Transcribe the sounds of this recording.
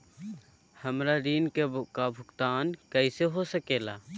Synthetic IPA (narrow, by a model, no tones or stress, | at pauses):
həmɾaɾiːnkebkabʱʊkt̪aːnkəiseɦosəkeːla̰ː